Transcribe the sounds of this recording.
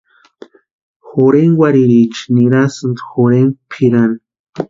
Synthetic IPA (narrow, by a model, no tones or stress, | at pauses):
xoɾeŋwaɾiɾit͡ʃi̥niɾasɨnd̪xoɾeŋpʰiɾan